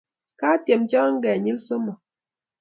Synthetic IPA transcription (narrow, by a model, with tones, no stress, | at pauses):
kaː˦tje˨mt͡ʃɔ˦ŋ̩˦ɡɛ˨ɲi˦lso˦mɔ˨